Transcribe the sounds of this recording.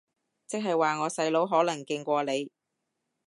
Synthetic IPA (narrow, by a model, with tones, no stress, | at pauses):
t͡sɪ˥k̚ɦɐ˨jwaː˨ŋɔː˨˧sɐ˧jlo˨˧˥wɦɔː˨˥lɐ˨˩ŋkɪ˧ŋkʷɔː˧le˨˧j